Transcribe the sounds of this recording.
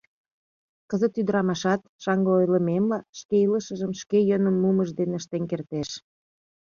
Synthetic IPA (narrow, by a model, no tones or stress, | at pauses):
kəzət̪yd̪əɾɑmɑʃɑt̪ʃɑŋɡəojlə̆memlɑʃkeiləʃə̆ʒəmʃkejənəmːuməʒd̪eneəʃt̪enkert̪eʃ